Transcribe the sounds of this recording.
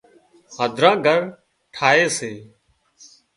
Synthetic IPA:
xəd̪ʱɾãːɡʱəɾ | ʈʰaːeːseː

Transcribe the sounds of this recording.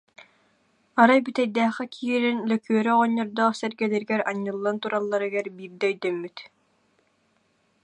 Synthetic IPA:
aɾajbyt̪ɛjd̪æːχɛkʰiːɾɛnlœkyœɾɛʁɔɲːɔɾd̪ɔːχsɛɾɡɛlɛɾɡɛɾaɲːɯlˠːant̪uɾalˠːaɾɯɡɛɾbiːɾd̪ɛœjd̪œmːyt̪

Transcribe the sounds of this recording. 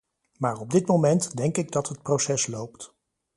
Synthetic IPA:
maːɹɔb̚dɪtmowmɛntdɛŋkɪɡ̚dɑtɦət̚prosɛslowpt

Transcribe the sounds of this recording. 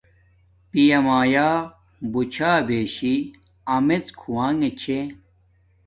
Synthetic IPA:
pijɐmaːjaː | but͡ɕʰaːbeːɕi | ɐmet͡skʰuwaːŋet͡ɕʰe

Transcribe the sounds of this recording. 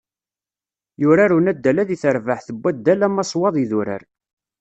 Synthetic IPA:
jʊɾaɾunæd̪ːælæðiθəɾvəħθəbːæd̪ːælæmːɑsˤwɑðˤiðuɾə̰ɾ

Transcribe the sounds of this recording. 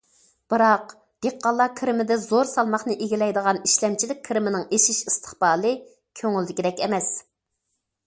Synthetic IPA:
b̥ɨɾɑq | d̪̥eqːɑlˠːɑkʲʰiɾɪmɪd̪ɛzoɾsɑlˠmɑχnɨʔeɡʲilɛjd̪əʁɑniʃlɛmt͡ʃʰilɪk̚ʲkʲʰiɾɪmɪnɪŋeʃiʃist̪ʰə̥χbɑːlˠɨ | kʲʰøŋyld̪ɪkʲid̪ɛkʲɛmɛs

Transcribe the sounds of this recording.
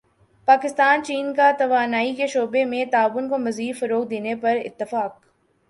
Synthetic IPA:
paːkɪst̪aːnt͡ʃiːnkat̪ɐʋaːnaːikeʃoːbemẽt̪aːʋʊnkomɐziːd̪fɐɾoːk̚d̪eːnepɐɾɪ̰t̪ːɪfaːk̚

